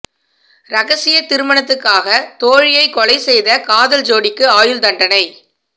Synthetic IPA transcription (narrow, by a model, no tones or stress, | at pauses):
ɾɐɣɐsɪjɐt̪ɪɾɯmɐnɐt̪ːɯkːaːɣɐt̪oːɻɪjɐɪkːɔɭɐɪsɛjðɐkaːðɐld͡ʒoːɽɪkːɯaːjɯld̪ɐɳɖɐnɐɪ